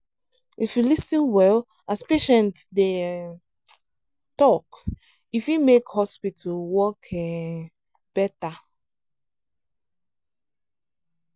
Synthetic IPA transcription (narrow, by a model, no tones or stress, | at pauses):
ifjulisĩnwɛl | aspeʃɛ̃ntde | tɔk | ifimekhɔspitʰalwɔkʰɛ | b̥ɛta